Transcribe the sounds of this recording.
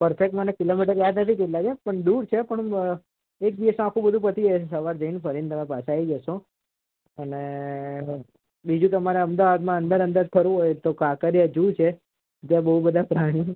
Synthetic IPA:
pəɾfek̚ʈmənekilomiʈəɾjad̪nət̪ʰik̪̬eʈlad͡ʒepəɳd̪uɾt͡ʃʰepəɳ | ek̚biesãakʰũbəd̪ʱũpət̪iesəʋaɾd͡ʒəinpʰəɾint̪əmepasaid͡ʒəʃo | əne | bid͡ʒũt̪əmaɾeəmd̪aʋad̪mãənd̪əɾənd̪əɾd͡ʒpʰəɾũɦojt̪okakəɾjad͡ʒut͡ʃʰe | t̪jabəɦubəd̪ʱapɾaɽ̃i

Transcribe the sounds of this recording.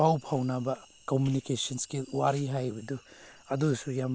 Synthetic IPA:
awpʰawnabɐ | komunikesɔnskiwaɾiɦajbɐdu | ɐdusujam

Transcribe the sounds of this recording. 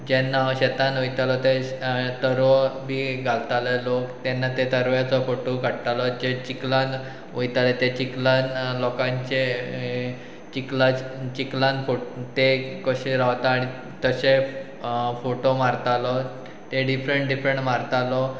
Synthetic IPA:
d͡ʑɛnːaɕet̪anujt̪alɔt̪et̪əɾɔbʱiːɡʱalt̪alɛlokt̪ɛnːat̪et̪əɾʋjat͡sɔfoʈokəɽt̪alɔd͡ʑet͡ɕiklãn | ujt̪alet̪et͡ɕiklanlɔkãɲt͡ɕe | t͡ɕiklat͡ɕiklanfot̪ekəɕeɾaʋt̪aːɽ̃i | t̪əɕe | foʈomaɾt̪alɔ | t̪eɖifɾəɳʈɖifɾəɳʈmaɾt̪alɔ

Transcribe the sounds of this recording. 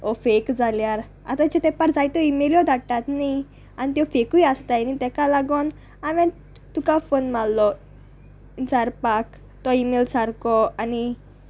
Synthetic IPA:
ɔfekd͡zʱaljaɾ | a̰t̪at͡ɕet̪ɛpaɾd͡zajt̪ɔimeljɔd̪ʱaʈːat̪ni | anit̪̬jɔfekujast̪anit̪ɛkalaɡon | aʋɛ̃ | t̪ukafonmalːɔ | t͡saɾpak | t̪ɔimelsaɾkɔani

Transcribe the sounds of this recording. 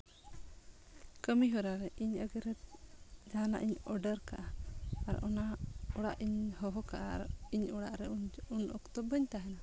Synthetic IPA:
kəmiɦɔɾaɾɛʔiɲəɡɛɾɛd͡ʒaana̰ʔiɲɔɖəɾka̰ʔaa̰ɾɔnaɔɽaʔiɲhɔɦɔkaʔaɾiɲɔɽaʔɾɛuɲunʔɔ̰kt̪ɔbəɲt̪aɦɛna

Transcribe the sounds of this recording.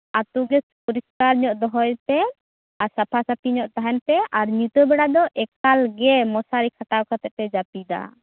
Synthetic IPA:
at̪uɡɛpɔɾiskaɾɲɔʔd̪ɔɦɔjt̪ɛ | asapʰasapʰiɲɔʔt̪aɦɛnpɛaɾɲut̪ɔbɛɽad̪ɔʔɛkalɡɛmɔsaɾikʰaʈawkʰat̪ɛpɛd͡ʒapid̪a̰

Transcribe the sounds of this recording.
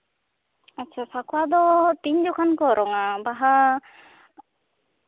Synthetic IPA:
atːt͡ʃʰasakʰwad̪ɔt̪iɲd͡ʒɔkʰankɔɾɔŋabaɦa

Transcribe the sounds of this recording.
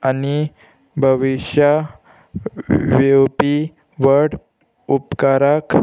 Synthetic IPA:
ani | bʱəʋiɕja | ʋepi | ʋəɾɽ | upkaɾak

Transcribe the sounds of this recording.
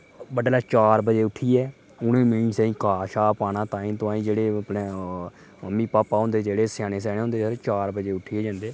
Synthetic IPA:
bəɖlaːt͡ʃaːɾbəd͡ʒeːʊʈʰːiːɛː | ʊnẽːmɪnsɛ̃ːĩːkaːʃaːpaːnãːt̪ãːĩːt̪ʊãːĩːd͡ʒeːɽeːpneː | məmːiːpaːpaːɦõnd̪eːd͡ʒeːɽeːsjaːɽ̃eːs̬ɛːɽ̃eːɦõːnd̪eːɾet͡ʃaːɾbəd͡ʒeːʊʈʰiːeːd͡ʒãːnd̪eː

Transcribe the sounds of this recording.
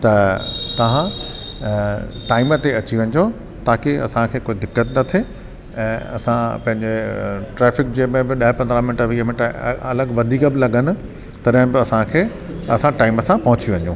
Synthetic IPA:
t̪ɐt̪ɐʋ̤ã | ʈaːɪmət̪eɐt͡ɕiʋɐ̃ɲd͡ʑo | t̪aːkeɐ̰sãkʰeːkoːid̪ɪkːət̪nɐt̪ʰe | ɛ̃ːɐ̰sãpɐ̃ɦɪ̃ɲd͡ʑeʈɾɛːfɪk̚d͡ʑeːmɪ̃bɪɗɐɦɪpɐ̃nd̪ɾaːmɪnɪʈəʋiːɦəmɪ̃ʈɐləɡʋɐd̪ʱiːkəbɪlɐɠənɪ̆ | t̪ɐɗɐ̃ɦɪ̃bɪɐsãkʰeː | ɐsãʈaːɪməsãpɐɦʊt͡ɕiʋɐ̃ɲd͡ʑõː

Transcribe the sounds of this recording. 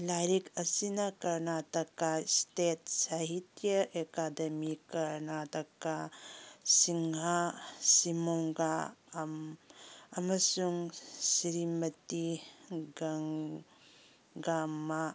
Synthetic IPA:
lajɾikɐsinɐkɐɾnatɐkastetsaɦitjɐʔekadɐmikɐɾnatɐkːa | siŋasimoŋɡam | ɐmɐsuŋsiɾimɐtiɡaŋ | ɡamːa

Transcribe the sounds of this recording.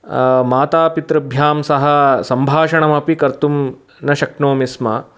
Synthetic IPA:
maːt̪aːpit̪ɾɐbʱjaːmsɐɦɐ̆sɐmbʱaːʃɐɳɐmɐpikɐɾt̪um | nɐʃɐknoːmismɐ̰

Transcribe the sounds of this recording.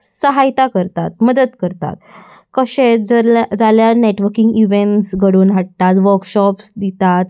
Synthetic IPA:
səɦajt̪akəɾt̪at̪̚məd̪ət̪kəɾt̪a̰t̪ | kəɕed͡zd͡zaljaneʈʋəɾkiŋɡiʋeɳʈsɡʱəɽuːnɦaʈ̚t̪at̪ʋəɾkɕɔpsd̪it̪at̪

